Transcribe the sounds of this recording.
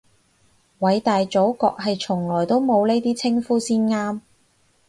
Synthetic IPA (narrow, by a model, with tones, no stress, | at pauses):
wɐ˨˧jt̪aː˨jt͡so˨˥wkɔ̰ː˧k̚ɦɐ˨jt͡ʃʰʊ˨˩ŋlɔː˨˩jt̪o˥wmo˨˧wne˥jt̪iː˥t͡sʰɪ˥ŋfuː˥siː˥nŋaː˥m